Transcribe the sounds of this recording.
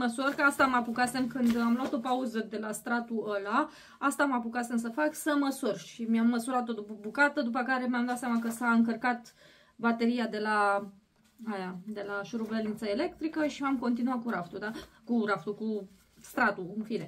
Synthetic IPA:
məsurkəast̪amapukase̞mkɨnd̪amluat̪o̞pauzəd̪e̞last̪ɾat̪uəla | ast̪amapukase̞ms̬əfaksəməsurʃimiamːəsuɾat̪o̞d̪upəbukat̪əd̪upəkaɾe̞mjamd̪at̪sʲjʲamakəsaɨŋkərkat̪ | bat̪e̞ɾijad̪e̞la | ajad̪e̞laʃuɾuvelint̪saele̞kt̪ɾikəʃiamko̞nt̪inuat̪̚kuɾaft̪ud̪akuɾaft̪uku | st̪ɾat̪uɨnfine

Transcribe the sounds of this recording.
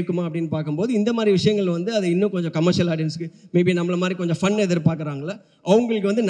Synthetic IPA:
ɯkːɯmaːɐpːɐɽɪnːɯpaːɾkɯmpoːðɯɪnd̪ɐmaːd̪ɾiʋɪʂɐjɐŋɡɐɭʋɐnd̪ɯɐðɯɪnːɯ̃kɔɲd͡ʒɔ̃kɐmːɐɾʂɪjɐlaːɖɪjɐnskɯmeːbinɐmːɐɭɐmaːd̪ɾikɔɲd͡ʒɔ̃fɐnːɛðɯɾɯpaːɾkɯɾaːŋɡɐɭːa | ʔɐʋɐŋɡɐɭɯkːɯʋɐnd̪ɯn

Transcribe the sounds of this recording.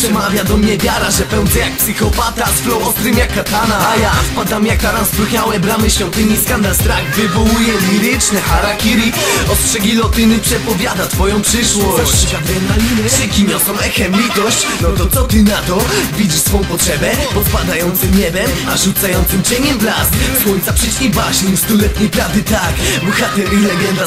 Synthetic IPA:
pʂɛmavʲjad̪ɔmɲɛvʲjaɾaʐɛpɛw̃nd̪zɛjak̚psɘxɔpat̪asflɔwɔst̪ɾɨmjakːat̪anaajaspad̪amjakːaɾansp̪ɾuxɲawɛbɾamɘɕfʲjɔ̃nt̪ɘɲiskand̪alst̪ɾaɡvɨvɔwujɛmʲiɾɪt͡ʂnɛxaɾakʲiɾiɔstʂɛɡʲilɔt̪ɪnɘpʂɛpɔvʲjad̪at̪fɔjɔ̃w̃pʂɘʂwɔɕt͡ɕd̪ɛaʂɛkʲiɲɔsɔ̃w̃ɛxɛmlʲit̪ɔɕt͡ɕnɔt̪ɔt̪sɔt̪ɪnat̪ɔvʲid͡ʒsfɔ̃w̃pɔtʂɛbɛpɔt̪pad̪ajɔnt̪sɘmɲɛbɛm | aʐut̪sajɔnt̪sɘmt͡ɕeɲɛmblasswɔɲt̪sapʂɛt͡ɕɲʲebaɕɲimst̪ulɛt̪ɲejpɾavd̪ɘt̪akbɔxat̪ɛɾʲilɛɡɛnd̪a

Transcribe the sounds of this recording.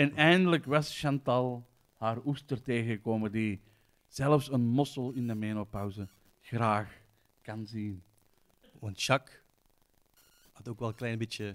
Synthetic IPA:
ɛnɛjndələkʋɑsʃɑntɑlˠ | haːrustərteːɣəkoːmədi | z̥ɛləfsənmɔsəlˠɪndəmeːnopɑwzə | xraːx | kɑnzin | ənʃɑk | atoːkʋɛlˠəklɛjnbɪtjə

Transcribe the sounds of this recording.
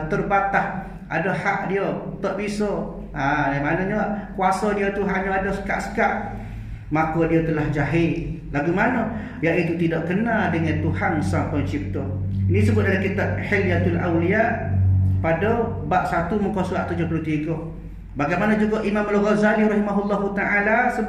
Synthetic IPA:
t̪ərbat̪ah | ʔa̰dəhaʔdiət̪ɔʔbisɔ | ʔadajmanɔɲokuasɔdiot̪uɦanɲəadosə̥ka̰ʔsə̥kaʔ | makɔdiot̪əlahd͡ʒaɦɪl | laɡumanə | jaʔit̪ut̪idɔʔkənaldəŋant̪uhansampɔnt͡ʃik̚t̪ɔ | inĩsəbʊt̪̚daɾikit̪aʔ̚ħiljat̪ulʔa̰wliaʔpadɔbaʔsat̪umukɔsuaʔt̪ud͡ʒopəlot̪iɡo | baɡajmanə̃d͡ʒuɡɔʔimamalɣɔzaliɾɑhimaɦulːɔɦut̪aʕalasə

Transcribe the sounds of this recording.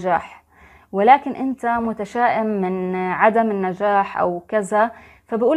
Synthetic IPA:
d͡ʒaːħ | wɪlaːkɪnʔɪnt̪amʊt̪aʃaːʔɪmːɪnʕad̪amɪnːad͡ʒaːħʔa̰wkɪza | fabɪʔuːl

